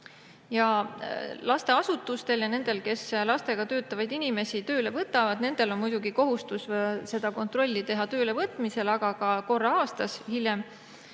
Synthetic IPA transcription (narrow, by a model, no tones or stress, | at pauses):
jɑ | lɑst̪e̞ɑsut̪ːˑust̪e̞ljɑne̞nd̪̥e̞lke̞slɑst̪e̞ɡ̥ɑt̪ø̞ːt̪ːˑɑvɑjd̪inime̞sit̪ø̞ːle̞vɤt̪ːˑɑvɑd̪̥̚ne̞nd̪̥e̞lo̞nmujd̪̥uɡiko̞ɦust̪usse̞d̪̥ɑko̞nt̪ro̞lʲːit̪e̞ɦɑt̪ø̞ːlevɤt̪ˑmise̞lɑɡ̥ɑkɑko̞rːɑɑːst̪ɑshilʲjem